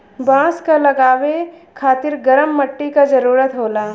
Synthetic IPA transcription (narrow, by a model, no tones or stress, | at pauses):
bãːskalɐɡaːʋe | kʰaːt̪ɪɾɡɐɾəmːɐʈːikad͡ʒɐɾuːɾət̪ɦoːlaː